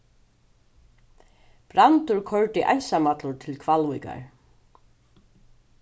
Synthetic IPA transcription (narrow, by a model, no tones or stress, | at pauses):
pɾant̪ʊɹkʰœɹt̪ɪʔa̰jnsamat̪lʊɾt̪ʰɪlkʰvalvujka̰ɹ